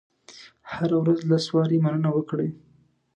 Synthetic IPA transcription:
haɾawɾazlaswɑɾemanənawəkɽe

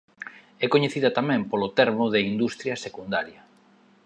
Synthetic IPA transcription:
ɛkoɲeθiðɐt̪amɛ̃mpolot̪ɛɾmʊðeind̪ust̪ɾjɐsekund̪aɾjɐ

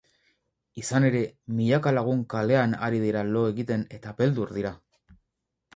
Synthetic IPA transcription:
isane̞ɾe̞miʎakalaɣ̞uŋkale̞anaɾið̞iɾalo̞e̞ɣit̪e̞ne̞t̪ape̞ld̪uɾðiɾa

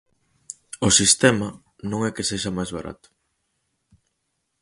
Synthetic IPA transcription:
osist̪ɛmɐ | nõŋɛkeseʃamajzβa̰ɾʔa̰t̪ʊ̥

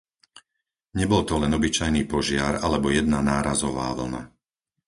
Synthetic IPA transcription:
ɲɛbɔlt̪ɔlɛnɔbit͡ʃajniːpɔʒɪaɾalɛbɔjɛd̪nanaːɾazɔʋa̰ːʋl̩̰na̰

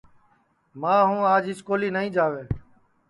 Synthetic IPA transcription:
mãːɦũːaːd͡ʒɪskoːliːnəɦĩːd͡ʒaːʋeː

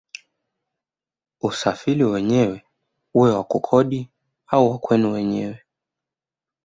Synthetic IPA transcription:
usafiliwɛɲɛwɛ | uwɛwakukʰɔɗi | auwakwɛnuwɛɲɛwɛ

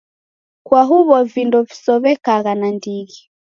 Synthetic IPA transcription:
kwaɦuβɔvindɔvisɔβɛkaɣanandiɣi

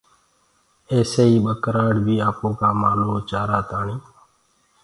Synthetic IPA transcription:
eːseːiːɓəkɾaːɽbʱiːaːpõːkaːmaːnõːt͡ʃaːɾaːt̪aːɳiː

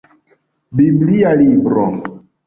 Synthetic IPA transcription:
biblialibɾo̰

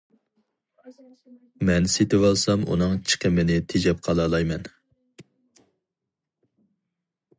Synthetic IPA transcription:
mɛnset̪ɪwɑlˠsɑmṵnɨŋt͡ʃʰi̥qʰəmɪnɪt̪ʰed͡ʒɛp̚qʰɑlˠɑlˠɑjmɛn

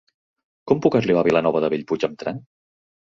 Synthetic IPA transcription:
kɔmpukəzliβaβilənɔβəðəβiʎput͡ʃəmt̪ɾaŋ

